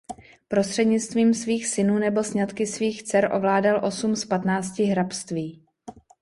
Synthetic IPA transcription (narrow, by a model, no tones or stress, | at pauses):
pɾo̞st̪r̥ɛdɲɪt͡st̪viːmsviːxsɪnuːnɛbo̞sɲat̪kɪsviːxt͡sɛɾʔo̞̰vlaːdalʔo̞sumspat̪naːt͡scɪɦɾapst̪viː